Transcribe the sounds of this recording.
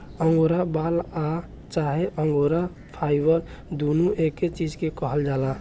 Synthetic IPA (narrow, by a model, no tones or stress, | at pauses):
əŋɡoɾabala | t͡ʃaɦeʔəŋɡoɾa | pʰajbəɾ | d̪unuʔekːet͡ʃid͡ʒkekəɦəld͡ʒala